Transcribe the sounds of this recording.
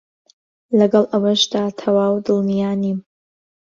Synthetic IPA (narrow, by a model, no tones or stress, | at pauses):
lɐɡɐlʔawɐʃdatʰɐwaːwdɨlmijaːnim